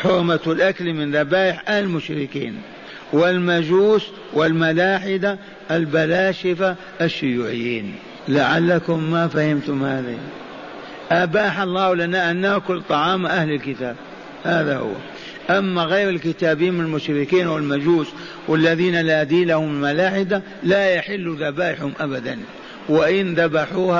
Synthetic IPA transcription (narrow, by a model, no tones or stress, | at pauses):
ħʊɾmat̪wɪlʔaklmɪnɾˤɑbaːjɪħʔahlɪlmʊʃɾɪkḭːn | wɪlmad͡ʒuːs | wɪlmalaːħɪd̪a | ʔalbalaːʃɪfa | ʔaʃːʊjuːʕɪjːḭːn | laʕalːakʊmːafahɪmt̪ʊmhaːða̰ | ʔabaːħalˤːɑːlanaʔanːakʊlːt̪ˤɑʕɑːmʔahlɪlkɪt̪aːb̚ | haːðahʊ̰wːa̰ | ʔamːaɣejɾɪlkɪt̪aːbiːnmɪnalmʊʃɾɪkiːnawɪlmad͡ʒuːs | wɪlːaðiːnalaːd̪iːlahʊmɪlmalaːħɪd̪a | lajaħɪlːuðabaːʔɪħhʊmʔabad̪an | wɪʔɪnðabaħuːha